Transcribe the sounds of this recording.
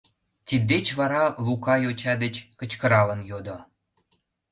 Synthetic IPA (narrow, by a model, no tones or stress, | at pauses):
t̪ʲid̪ːet͡ɕβɑɾɑβukɑjot͡ɕɑd̪et͡ɕkə̆t͡ɕkə̆ɾɑlənjod̪o